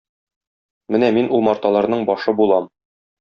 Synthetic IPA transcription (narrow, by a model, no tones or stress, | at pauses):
mɘnæminʔulˠmɒɾt̪ɑlˠɑɾnɤɴbɒʃɤbulˠɑm